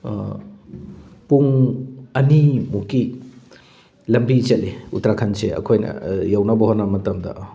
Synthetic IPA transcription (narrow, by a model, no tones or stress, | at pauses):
puŋɐnimuki | lɐmbit͡ʃetːiutɾakʰanseɐ̰kʰojnɐ̰jawnɐbɐɦonːɐmɐtɐmdɐ̰